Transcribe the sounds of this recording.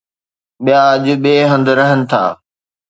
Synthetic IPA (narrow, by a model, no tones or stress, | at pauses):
ɓijaɐʄʊ̆ɓeːɦə̃nd̪ɾɐɦənɪ̆t̪ʰa̰ː